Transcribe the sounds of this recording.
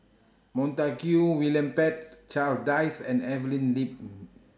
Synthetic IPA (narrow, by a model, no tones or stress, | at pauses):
mɔ̃ntakjuwilə̃mpɛt̚t͡ʃaldajsɛ̃nɛvəlĩnlip̚